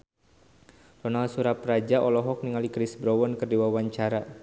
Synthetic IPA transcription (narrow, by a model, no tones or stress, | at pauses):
tɔnalsuɾaprad͡ʒaʔɔlɔɦɔk̚niŋalikɾisbɾɔwɔnkərdiwawaɲt͡ʃaɾa